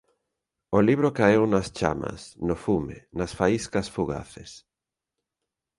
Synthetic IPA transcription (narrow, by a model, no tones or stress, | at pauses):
oliβ̞ɾokaewnast͡ʃa̰ma̰snofumḛnasfaiskɐsfuɣa̰θes